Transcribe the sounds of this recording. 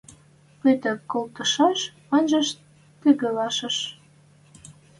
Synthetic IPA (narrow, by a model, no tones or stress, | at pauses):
pet̪ə̆kolt̪ɤ̆ʃɑʃ | ənʲʒə̆ʃ | t̪eɣə̆lɑʃə̆ʃ